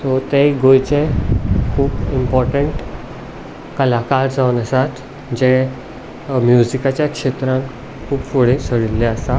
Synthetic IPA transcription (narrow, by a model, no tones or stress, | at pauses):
sot̪eɡojt͡ɕẽkʰuːpimpɔɾʈəɳʈ | kəlakaɾd͡zaʋwnəsat̪ | d͡ʑɛ | mjuzikat͡ɕjakʂet̪ɾãŋk | kʰuːpfoɽesəɽilːɛəsa